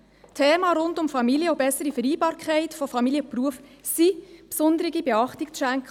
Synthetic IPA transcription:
tʰeːmɑɾʊndʊmfɑmiljəobɛsːəɾifəɾiːbɑːɾkχæɪtfɔfɑmiljəpruəf | sipsʊnd̪əɾɪɡibɛɑχtɪkt͡sʃæŋk

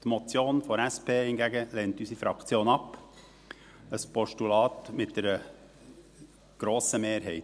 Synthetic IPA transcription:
t̪mɔt͡sjoːnfɔɾæspʰeːhɪnɡæɡəleːntysifɾɑkt͡sjoːnɑp | əspɔʃtulɑːt̪mɪt̚d̥̪ɛɾə | ɡ̥ɾoːsəmeːɾɦɛɪt

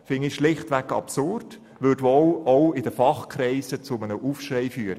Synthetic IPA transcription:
fɪŋiʃlɪχtʋɛkɑ̰psʊrd | ʋødolɔʊɪd̥əfɑχkɾɛɪsət͡sʊmənəʔuːfʃrɛɪfyːɾə

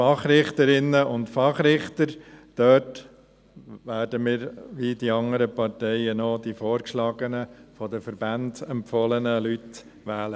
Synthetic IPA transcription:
ɑχɾɪχt̪əɾɪnːəʊntfɑχɾɪχt̪əɾd̪̥œːt | ʋæːrdəmɪːɾʋidiɑŋəɾəpɑrtɛɪənɔd̪ifoːɾkʃlɑːɡənəfɔd̪əfəɾbændɛmpfɔlənəlyt | ʋæːlə

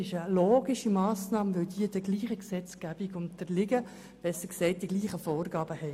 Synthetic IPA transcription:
ɪʃəloːɡiʃimɑːsnɑːmʋœldiːəd̥əɡliːχəksɛt͡sɡ̥æb̥iɡʊntd̥əlɪɡə | b̥ɛsəɾksɛɪt̚d̥iɡliːχəfɔːɾɡɑːbəhɛɪ

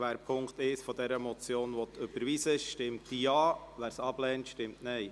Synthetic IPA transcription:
ʋæːɾpʰʊŋkt̪ɪsfɔd̪ɛɾəmɔt͡sjoːnʋɔt̪ʰːøb̥əɾʋisəʃtɪmtd̥ijɑːʋæːɾsɑb̥lɛːntʃtɪmtnɛɪ

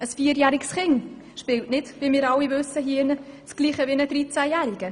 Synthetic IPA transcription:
əsfiːəɾjæːɾɪksχɪŋ | ʃpɪltnɪdʋimɪːɾɑlːivɵsːəɦiɪnəsɡ̥liːχəʋinədɾit͡sæjæːɾiɡ̥ə

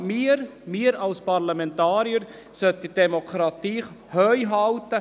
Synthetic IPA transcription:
miːɾmiːəɾɑlspʰɑɾlɑmɛntɑːɾiəɾ | sœtəd̥ɛmokʰɾɑt̪iː | hœʏɦɑlt̪ə

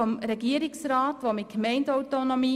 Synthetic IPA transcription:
ɔmɾɛɡiəɾɪksɾaːtʋomɪt̚kmɛɪndɔwtonomiː

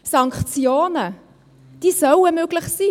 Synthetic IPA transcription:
sɑŋkt͡sjoːnə | d̥iːsœləmøɡ̥lɪχsiː

